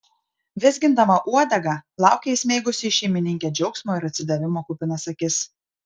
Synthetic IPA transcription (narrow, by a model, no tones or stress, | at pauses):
ʋʲɪzʲɡʲɪnd̪ɐmɐʔuɔd̪ʲɛɡɐˑlˠɑˑʊkʲɛɪsʲmʲeɪɡʊsʲɪːʃʲɛɪmʲɪnʲɪŋʲkʲeːd͡ʒʲɛʊksmoːɪɾɐt̪ʲsʲɪd̪ɐʋʲɪmoːkʊpʲɪnɐsɐkʲɪs